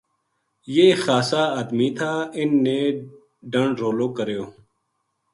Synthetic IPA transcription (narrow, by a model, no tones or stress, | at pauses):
jeːxaːsaːaːd̪miːt̪ʰaːɪnːeː | ɖəɳɖɾoːloːkəɾjoː